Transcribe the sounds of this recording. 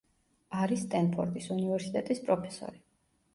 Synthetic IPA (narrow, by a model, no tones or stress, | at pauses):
aɾist̪ʼɛnpʰɔ̰ɾt̪ʼisunivɛɾsit̪ʼɛt̪ʼispʼɾɔpʰɛ̥sɔ̰ɾi